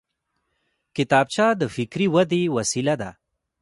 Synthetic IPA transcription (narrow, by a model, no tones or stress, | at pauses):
kɪt̪ɑb̚t͡ʃɑd̪əfɪkɾiwad̪ewɐsilad̪a̰